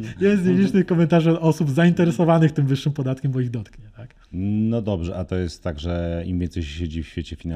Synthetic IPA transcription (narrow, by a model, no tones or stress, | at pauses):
jɛzʲelʲit͡ʂnɘxkɔmɛnt̪aʐɔsubzaint̪ɛɾɛsɔvanɘxt̪ɘmvɘʂːɘmpɔd̪at̪kʲɛmbɔiɣd̪ɔt̪kɲɛt̪ak | nɔd̪ɔbʐɛʔat̪ɔjɛst̪ːaɡʐɛimvʲjɛnsɛjɕɕed͡ʑifɕfʲet͡ɕɛfʲina